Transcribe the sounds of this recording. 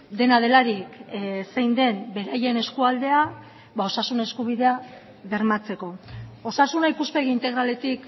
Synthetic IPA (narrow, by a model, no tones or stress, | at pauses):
d̪e̞naðe̞laɾiksejnd̪e̞mbe̞ɾaje̞ne̞skuald̪e̞a | βao̞sasune̞skuβiðe̞a | βe̞ɾmat͡se̞ko̞o̞sasunaipuspe̞ɣiːnt̪e̞ɣ̞ɾale̞t̪ik